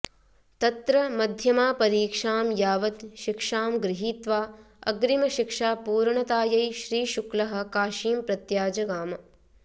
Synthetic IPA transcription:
t̪ɐt̪ɾɐmɐd̪ʱjɐmaːpɐɾiːkʂaːmjaːʋɐt̪ʃikʂaːmɡɾɪɦiːt̪ʋaː | ɐ̰ɡɾimɐʃikʂaːpuːɾɳɐt̪aːjɐjʃɾiːʃuklɐɦɐ̆kaːʃiːmpɾɐt̪jaːd͡ʒɐɡaːmɐ

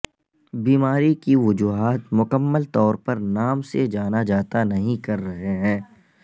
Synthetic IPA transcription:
biːmaːɾikiʋʊd͡ʒuːɦaːt̪mʊkəmːəlt̪ɔːɾpɐɾnaːmsed͡ʒaːnad͡ʒaːt̪anɐɦĩkɐɾːɐɦeɦɛ̃ː

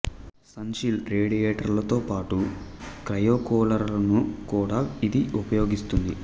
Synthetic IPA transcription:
sɐnʃilɾeːɽijeːʈɐɾlɐt̪o̞ːpaːʈukɾɐjoːkɔːlɐɾlɐnukuːɽaːid̪iʔupɐjo̞ːɡist̪und̪i

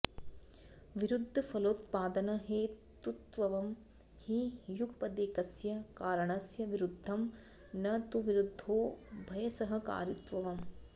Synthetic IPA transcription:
ʋiɾud̪ʱːɐpʰɐloːt̪paːd̪ɐnɐɦeːtt̪ut̪ʋɐʋɐm | hijukpɐd̪eːkɐsjɐkaːɾɐɳɐsjɐʋiɾud̪ʱːɐm | nɐt̪uʋiɾud̪ʱːoːbʱɐjɐsɐɦɐ̆ka̰ːɾit̪ʋɐʋɐm

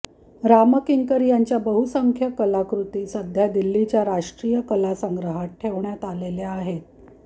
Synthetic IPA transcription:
ɾaməkiŋkəɾjaɲt͡ɕjabəɦusəŋkʰjəkəlakɾut̪iːsəd̪ʱjad̪ilːit͡ɕjaɾaʂʈɾijəkəlasəŋɡɾəɦat̪̚ʈʰːeʋɳjat̪aleleaɦet̪̚

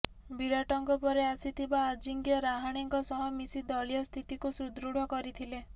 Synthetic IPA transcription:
biɾɔʈɔŋkɔpɔɾeasit̪ʰibaːd͡ʒiŋɡjɔɾaɦaɽ̃iŋkɔsɔɦɔmisid̪ɔɭijɔst̪ʰit̪ikusɾud̪ɾuɽ̤ɔkɔɾit̪ʰile

